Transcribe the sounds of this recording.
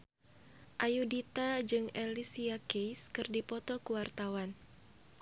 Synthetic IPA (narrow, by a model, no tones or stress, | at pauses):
ʔajudit̪ad͡ʒɨŋɛlisiakejskɨrdipɔt̪ɔkuwart̪awan